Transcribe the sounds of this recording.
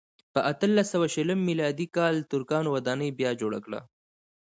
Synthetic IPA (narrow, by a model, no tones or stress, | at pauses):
pəʔat̪əlːasəwaʃələmːilɑd̪ikɑlt̪ʊɾkɑnwad̪ɑnəjbjɑd͡ʒoɽa̰kɽa̰